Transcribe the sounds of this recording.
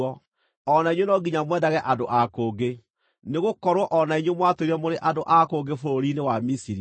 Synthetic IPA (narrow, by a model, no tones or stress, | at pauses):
ɔ | ɔnaiɲwenɔɡiɲamwɛdaɣɛʔadoʔakoːɡe | neɣokɔɾwɔʔɔnaiɲwemwatoɾiɛmoɾeʔadoʔakoɡefoɾoɾinewamisiɾi